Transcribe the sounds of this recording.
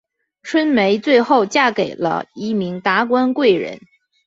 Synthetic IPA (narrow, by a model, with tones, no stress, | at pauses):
ʈ͡ʂʰwə˥nme˧˥ɪt͡swe˥˧ɪxo˥˧ʊt͡ɕja˥˩ke˨˩ɪlə̰˦i˥˩mi˧˥ŋt̪a˧˥kwa˥nkwe˥˩ɪɻə̰˧˥n